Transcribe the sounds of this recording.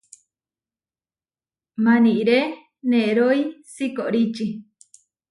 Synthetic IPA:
mãniʔɾe | nẽɾoisikoʔɾit͡ʃi

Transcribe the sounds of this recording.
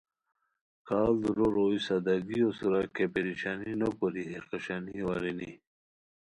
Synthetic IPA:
kʰaːld̪ɾoɾoisad̪aɡiosuɾakepeɾiɕaninɐkoɾiɦeɾqaɕaniwaɾini

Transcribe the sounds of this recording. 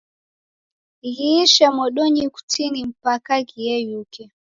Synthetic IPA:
ɣiiʃamɔɗɔɲiku̥tinim̩pakakiɛjukɛ

